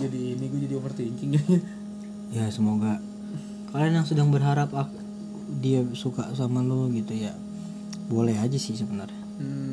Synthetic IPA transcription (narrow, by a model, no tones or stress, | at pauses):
d͡ʒadiːniɡud͡ʒadiafərt̪uiɲt͡ʃɪŋd͡ʒaja | jasəmoɡa | kalanjaŋsədaŋbərɦaɾapak | diasukasamaloɡit̪uja | bolɛɦad͡ʒasɪhsəbənarɲ | m̩